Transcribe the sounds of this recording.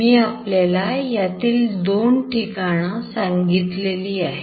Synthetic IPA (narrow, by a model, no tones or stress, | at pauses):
miːapljalajat̪iːld̪onʈikaɽ̃ãsãŋɡit̪leliːaɦe